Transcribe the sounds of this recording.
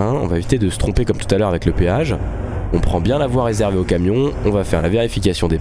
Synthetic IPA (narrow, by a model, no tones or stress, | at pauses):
ɛ̃ɔ̰̃vaevit̪ed̪əsə̥t̪χɔ̃pekɔmt̪u̥t̪alœʁavɛkləpeaʒ | ɔ̃pχɑ̃bjɛ̃lavwaʁːezɛʁveokamjɔ̃ɔ̃vafɛʁlaveʁifikʲasjɔ̃d̪e